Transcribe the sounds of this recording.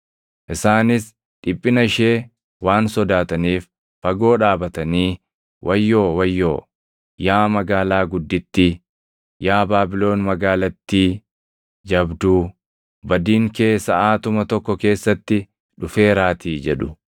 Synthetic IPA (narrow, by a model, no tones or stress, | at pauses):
ʔɪsaːnɪs | ᶑɪpʼːɪnɐɪʃe̞ː | waːnsɔd̪aːt̪ɐniːf | fɐɡo̞ːᶑaːbɐt̪ɐniː | wʔɐjːo̞ːwɐjːoː | jaːmɐɡaːlaːɡʊd̪ːɪt̪ːɪ | jaːbaːbɪlo̞ːnmɐɡaːlɐt̪ːiː | d͡ʒɐbd̪u | bɐd̪iːŋke̞ːsːɐʔaːt̪ʊmɐt̪ɔkːɔke̞ːsːɐt̪ːɪ | ᶑʊfe̞ːɾaːt̪ʰiːd͡ʒɛᶑʊ